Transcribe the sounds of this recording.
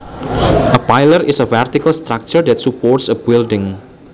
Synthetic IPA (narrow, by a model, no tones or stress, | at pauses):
ʔəpajləɾʔɪsəfɛrt̪ikəlst̪ɾak̚t͡ʃəɹd̪ɛt̪supɔrtsəbɪldɪ̃ŋ